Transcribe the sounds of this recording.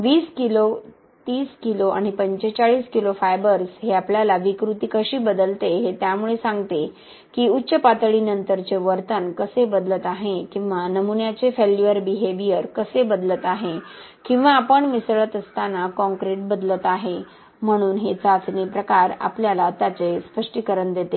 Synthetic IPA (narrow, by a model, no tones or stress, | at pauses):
ʋiːskilo | t̪iːskiloʔa̰ɽ̃ipəɲt͡ɕet͡saɭiːskilofajbəɾsɦeapljalaʋikɾut̪ikəɕiːbəd̪əlt̪eɦet̪jamuɭesãŋɡt̪e | kiːutːɕəpat̪ɭinənt̪əɾt͡seʋəɾt̪ənkəsebəd̪lət̪aɦekĩw̃ʋanəmunjat͡sefeljuəɾbiɦeʋijəɾkəsebəd̪lət̪aɦe | kĩw̃ʋaːpəɳmisɭət̪əst̪anakɔ̃ŋkɾeʈ̚bəd̪lət̪aɦe | m̤əɽ̃uːnɦet͡sat͡snipɾəkaɾa̰pljalat̪jat͡sespəʂʈikəɾəɳd̪et̪e